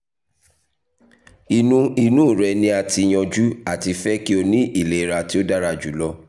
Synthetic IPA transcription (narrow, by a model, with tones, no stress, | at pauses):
i˧nũ˧i˧nũ˦˨ɾɛ˧nĩ˧˦a˨ti˧j̃ɔ̃˧d͡ʒu˦a˦˨ti˧fɛ˦ki˦o˧nĩ˦ʔi˦˨le˨˦˨ɾa˧ti˦o˦da˦ɾa˧˨d͡ʒu˨˦lɔ˦